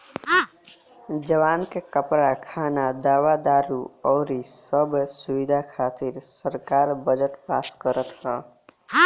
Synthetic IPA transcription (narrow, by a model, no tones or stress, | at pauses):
d͡ʒəʋaːnkekəpɾakʰaːnad̪aːʋad̪aːɾuɔːɾisəbsuʋid̪ʱakʰaːt̪iɾsəɾkaːɾbəd͡ʒəʈpaːskəɾət̪ɦɔː